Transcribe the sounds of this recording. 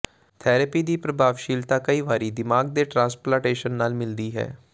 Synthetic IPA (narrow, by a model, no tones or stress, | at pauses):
t̪ʰɛːɾəpiːd̪iːpɾəbʱaːʋʃiːlt̪aːkəiːʋaːɾiːd̪ɪmaːɡ̚d̪eːʈɾãːsplãːʈeːʃənːaːlmɪld̪iːɦɛ̰ː